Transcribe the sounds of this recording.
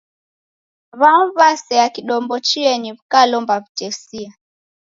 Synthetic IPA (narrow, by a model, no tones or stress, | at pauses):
βamβasɛakiɗɔmbɔt͡ʃiɛɲiβukalɔmbaβutɛsia